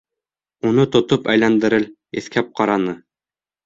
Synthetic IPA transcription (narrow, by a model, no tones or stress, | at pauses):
unɤt̪ŏt̪opæjlænd̪ɘ̆ɾɘl | eθkæp̚qɑɾɑnɤ